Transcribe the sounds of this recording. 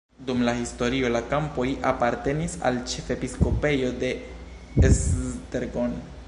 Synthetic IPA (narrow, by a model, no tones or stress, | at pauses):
dumlahisto̞ɾio̞lakampo̞jʔa̰paɾte̞nisa̰lt͡ʃe̞fe̞pisko̞pe̞jo̞de̞ | esteɾɡon